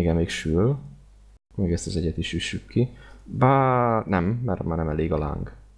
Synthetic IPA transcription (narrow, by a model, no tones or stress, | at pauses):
eɡɛnmeːkʃyl | kmɛːɡɛst̪ɒzɛɟɛt̪iʃyʃykːibanɛmːɛ̰rmaːnɛmɛleːɡɒla̰ːŋɡ